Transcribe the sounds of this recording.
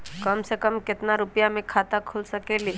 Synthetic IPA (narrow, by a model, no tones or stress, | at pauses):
kəmsekəmkɪt̪naɾʊpjamẽkʰat̪akʰulsəkeːli